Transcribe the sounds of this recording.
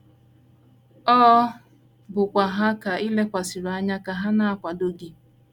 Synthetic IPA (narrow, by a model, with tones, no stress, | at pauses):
ɔː˦ | bʊ˨kʷa˨ɦa˦ka˨i˦le˦kʷa˨si˨ɾa˦ɲa˦ka˨ɦa˦na˨a˨kʷa˨do˦ɡi˦